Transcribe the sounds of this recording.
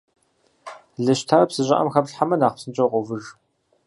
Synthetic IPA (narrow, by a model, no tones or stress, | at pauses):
ɮɨɕtʰaːrɐpsɨʑʼɐ̰ʔɐ̰mxɐpɬħamɐnaːχpsɨnt͡ʃʼɐqʷɔvɨʒ